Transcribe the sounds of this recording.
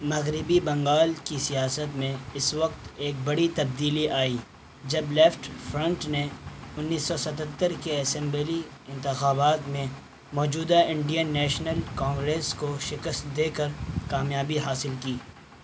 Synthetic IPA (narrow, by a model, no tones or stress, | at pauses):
mɐɣɾɪbibɐ̃ŋɡaːlkisijaːsət̪mẽɪsʋɐq̚t̪eːk̚bɐɽit̪ɐb̚d̪iːliʔaːiː | d͡ʒɐblɛːfʈfɾɐ̃ɳʈneʊnːiːsːɔsɐt̪ət̪ːəɾkeɐsɛ̃mbeliɪ̃nt̪ɪxaːbaːt̪mẽ | mɔːd͡ʒuːd̪aɪ̃ɳɖijənːɛːʃnəlkãːŋɡɾeːskoʃɪkəst̪̚d̪eːkəɾkaːmjaːbiɦaːsɪlkiː